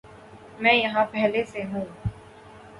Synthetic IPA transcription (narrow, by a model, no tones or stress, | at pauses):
mɛ̃ːjɐɦãpɛɦleseɦũː